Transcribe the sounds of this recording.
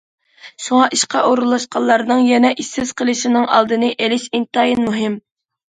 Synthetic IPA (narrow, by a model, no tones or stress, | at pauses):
ʃuŋɑʔiʃqɑʔoɾulˠːɑʃqʰɑlˠːɑɾnɨŋjɛnɛʔisːɪz̥qʰəlˠɨʃinɨŋɑ̰lˠd̪ɨnɨʔelɪʃint̪ɑjinmuɦɪm